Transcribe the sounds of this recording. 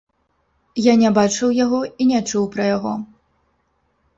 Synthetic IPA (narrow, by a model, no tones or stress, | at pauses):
janʲɛbat͡ʂɨwjaɣɔinʲɛt͡ʂuwpɾɐjaɣɔ